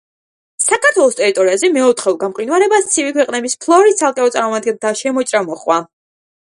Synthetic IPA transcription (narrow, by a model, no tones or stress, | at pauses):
sakʰaɾt̪ʰwɛlˠɔst̪ʼɛɾit̪ʼɔɾiazɛmɛɔt̪ʰχɛlˠɡamqʼinwaɾɛbast̪sʰivikʰwɛqʼnɛbispʰlˠɔɾist̪sʰalˠkʼɛɔt̪sʼaɾmɔmad̪̚ɡɛnt̪ʰaʃɛmɔt͡ʃʼɾamɔχwa